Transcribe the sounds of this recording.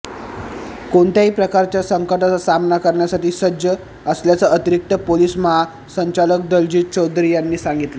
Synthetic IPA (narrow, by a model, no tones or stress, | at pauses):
koɳt̪jaɦiːpɾəkaɾt͡ɕjasəŋkəʈat͡sasamnakəɾɳjasaʈiːsəd͡ʑjə | əsljat͡səʔət̪iɾik̚t̪əpoliːsməɦa | səɲt͡ɕalək̚d̪əld͡ʑiːt͡ɕod̪ɾiːjanːiːsaŋɡit̪lə